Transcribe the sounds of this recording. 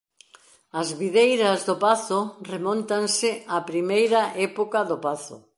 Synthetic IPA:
ɐzβiðejɾɐzðopaθʊremɔ̃nt̪ansɪapɾimejɾɐʔɛpokaðopaθʊ̰

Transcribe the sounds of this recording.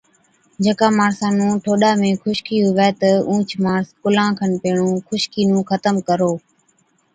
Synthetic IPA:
d͡ʒəkaːmaːɾsãːnũːʈʰoːɗaːmẽːxʰʊʃkiːɦʊʋɛːt̪əũːt͡ʃʰmaːɾskʊlãːkʰənpeːɳũːkʰʊʃkiːnũːxət̪əmkəɾoː

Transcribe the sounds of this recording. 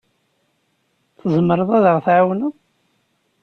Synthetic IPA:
θəzˤmːəɾˤəðˤæðəʁθʕawnə

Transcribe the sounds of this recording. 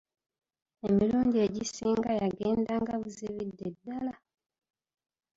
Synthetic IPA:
e̞miluːndie̞ɟisiːŋɡajaɡe̞ːndaŋɡaβuziβidːe̞dːala

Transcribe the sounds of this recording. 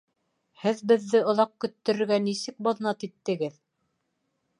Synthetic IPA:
hɘðbɘ̆ðːɘŏlˠɑq̚kɵ̆t̪ːɵ̆ɾɘ̆ɾɡænisɘk̚bɑðnɑt̪it̪ːɘ̆ɡɘð

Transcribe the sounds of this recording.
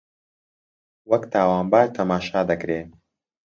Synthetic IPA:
wɐkt̪ʰaːwaːnbaːɾt̪ʰɐmaːʃaːd̪ɐkɾeː

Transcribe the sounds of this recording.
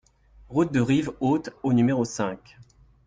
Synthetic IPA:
ʁut̪̚d̪əʁivot̪onymeʁosɛ̃k

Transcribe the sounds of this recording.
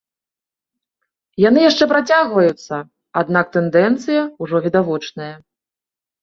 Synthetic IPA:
janɨjaʂt͡ʂɛpɾat͡sʲaɣvɐjut̪sːɐ | ad̪nak̚t̪ɛnd̪ɛnt̪sɨjɐuʐɔvʲid̪avɔt͡ʂnɐjɐ

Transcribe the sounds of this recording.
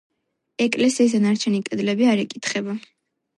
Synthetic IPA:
ɛkʼlɛsiːs̬anaɾt͡ʃʰɛnikʼɛd̪lɛbiaɾɛkʼit̪ʰχɛba

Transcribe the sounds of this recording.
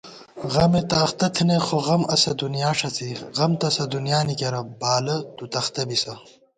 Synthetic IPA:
ɣɐmet̪aːxt̪ɐt̪ʰinexoʁɐmɐsɐd̪unjaːʂɐt͡sʰiɣɐmt̪ɐsɐd̪unjaːnikeɾɐbaːlɐt̪ut̪ɐxt̪ɐbisɐ

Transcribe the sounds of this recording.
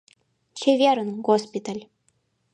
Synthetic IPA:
t͡ɕevʲeɾə̆nɡospʲit̪alʲ

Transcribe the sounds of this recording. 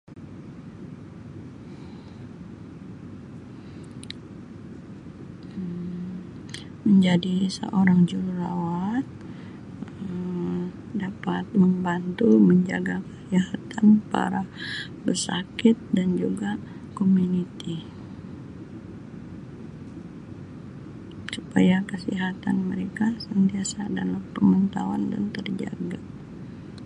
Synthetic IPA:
məɲd͡ʒadisə̰ʔoɾaŋd͡ʒuɾuɾawat̪̚ | ə | dapat̪̚məmbant̪uməɲd͡ʒa̰ɡakajahat̪anpa̰ɾabərsakɪt̪̚dand͡ʒuɡa | komunit̪i | supa̰jakəsiɦat̪anməɾekasənt̪iasadalahpəmant̪awanda̰nt̪ərd͡ʒa̰ɡa

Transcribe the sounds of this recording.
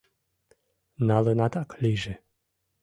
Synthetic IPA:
nalɨnat̪aklʲiʒɛ

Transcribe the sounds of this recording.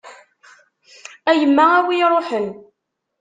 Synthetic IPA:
æjəmːææwiɾˤoħən

